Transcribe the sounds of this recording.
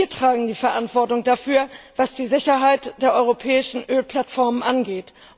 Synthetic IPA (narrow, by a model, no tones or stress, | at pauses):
iːɐtʁ̥aːɡŋ̩diːfɛɐʔantv̥ɔɐtʊŋd̥afyːɐv̥asd̥iːzɪçɐɦaɪtd̥eːɐʔɔʏʁopʰɛːɪʃn̩ʔøːlpʰl̥atfɔɐmənʔanɡeːt